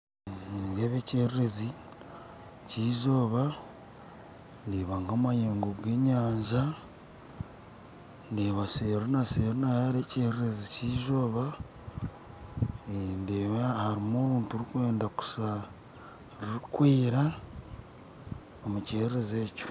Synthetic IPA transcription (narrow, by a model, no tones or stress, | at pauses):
jeβe̞ːceɾiɾe̞zi | ciːʒo̞ːβa | ndeβaŋɡamajeːŋɡoɡe̞ɲaːɲʒa | ndeβaseːɾonaseːɾonajaɾe̞ːceɾiɾe̞ziciːʒo̞ːβa | ndeβahaɾimo̞ːβuːntuɾikwe̞ːndaku̥sa | ɾiɾikwiːɾa | omuceːɾiɾe̞zeːco̥